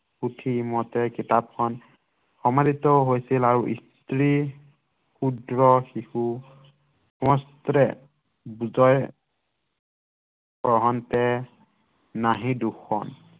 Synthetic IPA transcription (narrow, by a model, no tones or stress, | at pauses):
kutʰiːmɔtɛkitap̚kʰɔn | xɔmaditɔɦojsilaɹuʔḭstɹi | xudɹɔxixu | xɔmɔstɾɛ̰ | buzɔj | bɔɦɔntɛ | naɦĩduxʰɔ̰n